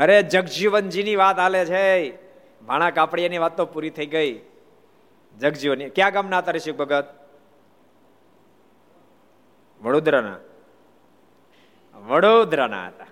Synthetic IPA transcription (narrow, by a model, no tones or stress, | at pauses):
əɾed͡ʒəɡd͡ʒiʋənd͡ʒiniʋat̪alet͡ʃʰe | bʱaɽ̃ãkapɽijaniʋat̪ːopuɾit̪ʰəiɡəi | d͡ʒəɡd͡ʒiʋənikjãɡəmnat̪əɾeʃuk̚bʱəɡət̪̚ | ʋəɽod̪ɾənã̰ | ʋəɽod̪ɾəna̰t̪a